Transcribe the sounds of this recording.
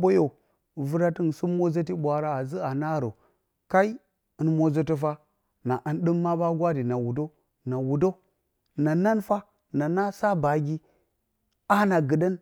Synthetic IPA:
bo˦jo˨ | vu˦ɾa˦ti˦n˨su˦mo˦zə˦t̬i˦ɓʷa˨ɾa˦a˨zi˦a˨na˦˨ɾo˨ | ka˦i˦ | ə˨˦nmo˦zə˦tə˦fa˦ | na˨ʔə˨nɗɨ˦mːa˦ba˦ɡʷa˦di˨na˨wu˨do˦ | na˨wu˨do˦ | na˨na˦nfa˦ | na˨na˦sa˦ba˨ɡʲi˦ | a˦na˨ɡɨ˨də˦n

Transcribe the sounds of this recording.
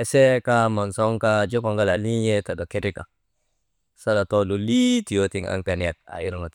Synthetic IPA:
ɛ˨se˦ka˦ma˨ŋsɔ˦ŋka˦d͡ʒo˦pa˨ŋɡa˦la˨li˦je˦ta˨do˨ke˦ti˦ka̰˨ | sa˦la˨to˦lu˨li˦ti˨jo˦ti˨ŋa̰˨ŋpa˨ni˨a˨t̪̚a̰˨i˦ɾɔ˨ŋa˨t

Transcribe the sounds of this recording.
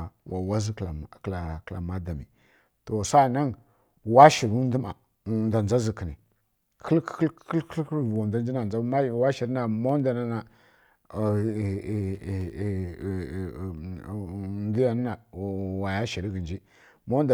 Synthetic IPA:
wa˨wa˦zi˦˨kla˨kla̰˨ma˦da˨mḭ˨ | to˨sa˦˨na˦n | wa˦ʃi˨ɾu˦n˦du˦ma̰˨ | nda˨n˨a˦zi˨ki˨ni˨ | kʰə˦lkklvwa˨da˦nd͡ʒi˦na˨a˦ma˦wa˦ʃi˨ɾi˦na˨mo˦n˦da˨na˦na˨ | ndi˦ja˨n˦na˨wa˨ja˦ʃi˨ɾi˦ɡi˨nd͡ʒi˦ | mo˦d

